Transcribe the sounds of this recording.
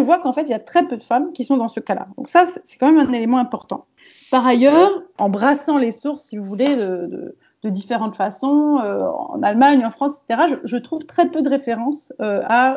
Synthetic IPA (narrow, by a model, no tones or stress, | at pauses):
əvwakɑ̃fɛt̪ilijat̪χɛpød̪əfamkʲisɔ̃d̪ɑ̃səkala̰d̪ɔ̰̃ksasɛsɛ̥kɑ̃mɛmɛ̃nelemɑ̃ɛ̃pɔʁt̪ɑ̰̃ | paʁajœːʁɑ̃bʁasɑ̃lesuʁsːivuvuled̪əd̪ə̰ | d̪̥əd̪ifeʁɑ̃t̪fasɔ̃øɑ̰̃nalmaɲɑ̃fχɑ̃sɛse̥t̪eʁaʒəʒət̪χuvt̪χɛpød̪əʁefeʁɑ̃søa